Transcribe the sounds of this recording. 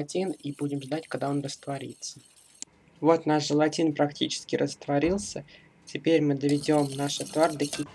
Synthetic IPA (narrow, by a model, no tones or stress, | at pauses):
ɐtʲinibudʲɪmʐd̪atʲkaɡ̚d̪ao̞nrəst̪vɐɾʲḭt̪sə̥ | vo̞t̪naʂʐəlˠɐtʲinpɾɐktʲit͡ɕɪ̥skʲɪɾʔəst̪vɐɾʲilˠsʲə | tʲɪpʲeɾʲmɨd̪əvʲɪdʲo̞mnaʂɨt̪vard̪əkʲɪ